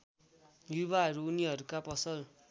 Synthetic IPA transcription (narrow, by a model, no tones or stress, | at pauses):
jubaɦʌɾuːniɦʌɾukapʌsʌl